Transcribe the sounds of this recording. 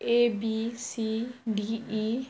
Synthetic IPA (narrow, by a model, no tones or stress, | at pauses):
ʔebisidii